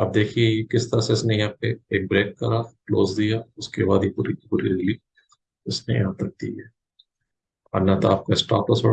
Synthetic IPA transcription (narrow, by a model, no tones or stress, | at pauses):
ɐ̰b̚d̪eːkʰiekɪst̪ɐɾaseɪsnejɐɦãpeeːk̚bɾeːkːaɾaːkloːzd̪ijaʊskebaːd̪ipuːɾipuːɾiɾɪliː | ʊsnḛjɐ̰ɦãt̪ɐk̚d̪ḭɦɛː | ɔ̰ɾnat̪oaːp̚kaɪsʈa̰ːplɐsbɐɽ